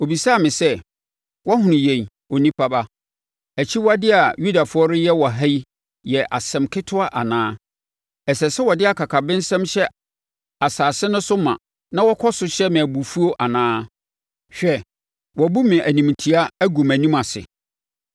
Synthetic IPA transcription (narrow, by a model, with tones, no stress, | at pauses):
o˨bi˨sa˦˨mɪ̃˨sɛ˦ | wɔ˦ɦʊ̃˨nʊ̃˨jɛ̃˨n | o˨nĩ˦pʰa˦ba˦ | æ˨t͡ɕʰi˦wa˦dɪ˦a˨ju˦da˨fʊ˨˦ɔ˦ɾʊ˦jɛ˦wɔ˨ɦa˦i˦ | jɛ˨ʔa̰˨sɛ̃˨mkʰɪ˦tʰʊ˦a˦ʔa˨nãː˦ | ɛ˨sɛ˨sɛ˦wɔ˨dɪ˦a˨kʰa˨kʰa˨bɪ̃˦n̩˦sɛ̃˦mɕɛ˦ | a˨saː˨sɪ˦nʊ̃˦sʊ˦mã̰˨ | nã˦wɔ˦kʰɔ˦sʊ˨ɕɛ˦mɪ̃˨æ˨bu˨fu˦o˦ʔa˨nãː˦ | ɕᶣɛ˦ | wɔ˨bu˦mɪ̃˨ʔæ˨nĩ˨mtʰi˨a˦æ˦ɡu˨mæ̃˨nĩ˦ma˨sɪ̰˨